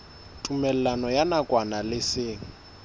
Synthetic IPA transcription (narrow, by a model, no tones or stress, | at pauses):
tʼumɛl̩lanɔjanakʼwanalɪsɪːŋ̩